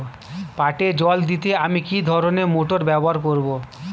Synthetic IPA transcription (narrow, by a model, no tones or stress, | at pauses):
paʈed͡ʑɔld̪it̪eamikid̪ʱɔɾonemoʈoɾbɛboɦaɾkoɾbo